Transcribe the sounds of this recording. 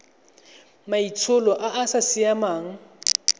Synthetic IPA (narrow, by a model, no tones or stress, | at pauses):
mait͡sʰʊlɔʔaʔasasɪamaːŋ̩